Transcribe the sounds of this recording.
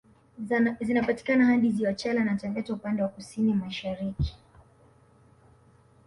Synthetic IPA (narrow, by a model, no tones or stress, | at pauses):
zinapati̥kanahanɗiziwat͡ʃalanatavɛtaupandɛwakusinimaʃaɾiki̥